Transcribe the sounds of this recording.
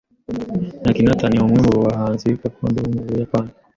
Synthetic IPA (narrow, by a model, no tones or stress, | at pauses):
nakinataniwamwɛmbɔwaɦanzikakɔndɔumɛɔjapana